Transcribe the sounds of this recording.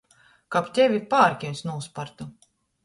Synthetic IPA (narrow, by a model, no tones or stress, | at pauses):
kapt̪ʲevʲipaːɾkʲinsnuːspaɾt̪u